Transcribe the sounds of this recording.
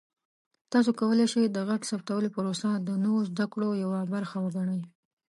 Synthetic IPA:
t̪ɑs̬okawəleʃejd̪əɣaɡsapt̪awəlopəɾosad̪ənəwozd̪akɽojawabaɾxawəɡaɳəj

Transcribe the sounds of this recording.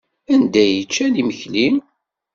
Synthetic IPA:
ænd̪æjət͡ʃːæniməçlim

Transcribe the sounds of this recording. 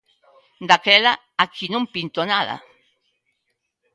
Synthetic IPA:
d̪akela | akʰinõmpint̪onaða̰

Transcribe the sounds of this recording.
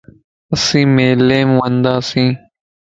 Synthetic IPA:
əsĩːmeːleːmʋənd̪aːsĩː

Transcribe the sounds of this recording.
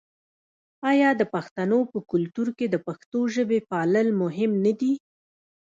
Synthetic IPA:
ɑjɑd̪əpaxt̪anopəkʊlt̪uɾked̪əpaxt̪oʒəbepɑləlmʊɦɪmnad̪i

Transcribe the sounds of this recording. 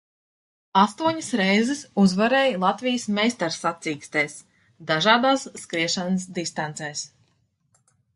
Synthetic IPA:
ast̪uɔɲəsɾɛjzɛsuzvaɾɛːjlˠat̪vijəsmɛjst̪aɾsat̪siːkst̪ɛːs | d̪aʒaːd̪aːsːkɾiɛʃanəsd̪ist̪ant̪sɛːs

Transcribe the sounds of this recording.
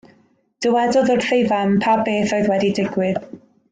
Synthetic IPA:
d̥əwɛdɔðɔr̥θejvampʰabeːθojðwɛdidɪɡwɪð

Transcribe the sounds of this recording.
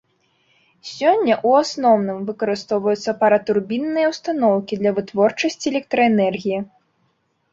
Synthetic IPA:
sʲɔnʲːɐʔuasnɔwnɨmvɨkɐɾɨst̪ɔwvɐjut̪sːɐpɐɾɐt̪urbʲinːɨjɐwst̪anɔwkʲid̪lʲɐvɨt̪vɔrt͡ʂɐsʲt͡sʲiɛlʲɛk̚t̪ɾɐɛnɛrɣʲiji

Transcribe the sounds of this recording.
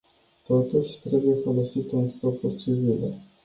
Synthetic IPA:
t̪o̞t̪uʃʲt̪ɾe̞buje̞folosit̪ɨnsk̪o̞pult͡ʃivilḛ

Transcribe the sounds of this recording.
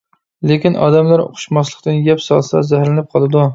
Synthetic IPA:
lekʲinʔɑ̰d̪ɛmlæɾo̰qʰʊ̥ʃmɑslˠəqt̪ɨnjɛpsɑlˠsɑ̰zæhɾlɪnɪp̚qʰɑlˠɨd̪u

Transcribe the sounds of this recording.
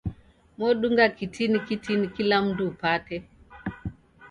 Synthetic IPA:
mɔɗuŋɡakitʰinikitinikilam̩duːpatɛ

